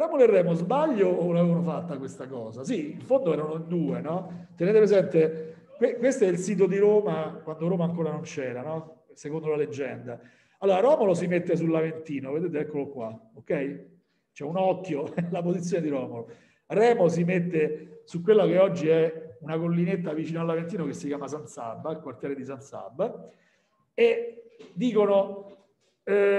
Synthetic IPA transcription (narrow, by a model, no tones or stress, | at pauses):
rɔːmoloerːɛːmozbaʎːolavevanofat̪ːakwest̪akɔːzasiiɱfond̪oɛːɾanoind̪uːenɔt̪eneːt̪epɾezɛnt̪e | kwekwest̪oɛilsiːt̪̬od̪iɾoːmakwand̪oɾoːmaːŋkoːɾanont͡ʃɛːɾanɔ | sekond̪olaled͡ʒːɛnd̪a | alːoːɾaɾɔːmolos̬imet̪ːes̬ulːavent̪iːnoved̪eːt̪̬eɛkːolokwaokːɛj | t͡ʃɛunɔkːjolapozit̪sːjoːned̪iɾɔːmolo | rɛːmos̬imet̪ːesukːwelːakeɔd͡ʒːiɛunakolːinet̪ːavit͡ʃiːnalːavent̪iːnokesːikjaːmas̬ant̪sa̰bːailkwart̪jɛːɾed̪isant̪sa̰bːa | ed̪ːiːkono